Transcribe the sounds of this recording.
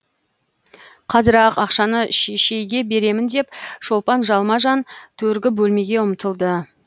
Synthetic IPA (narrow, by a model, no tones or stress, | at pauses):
qʰɑzəɾɑqɑqʃɑnəʃeʃe̞jɡʲe̞be̞ɾe̞mɪnd̪e̞pʒ̥o̞lˠpɑnʒɑlˠmɑʒɑnt̪ʰɵɾɡʲɪbɵlme̞ɡʲe̞ʊmt̪əlˠd̪ə